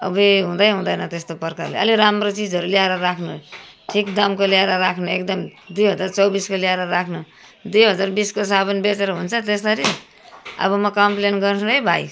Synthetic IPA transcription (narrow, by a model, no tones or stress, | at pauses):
ʌ̰biɦũd̪ʌjɦũd̪ʌjnʌt̪est̪opʌrkalḛʌ̰liɾamrot͡sid͡zɦʌɾuljaɾʌɾakʰnʌ | ʈʰikd̪ʌmkoljaɾʌɾakʰnʌek̚d̪ʌmd̪ujɦʌd͡zart͡sʌwbiskolaɾʌɾakʰnʌ | d̪ujɦʌd͡zarbiskos̬abʌnbet͡seɾʌɦunt͡sʰʌt̪esd̪ʌɾi | ʌ̰bʌmʌkʌmplenɡʌrsʰɾʌjbʱaj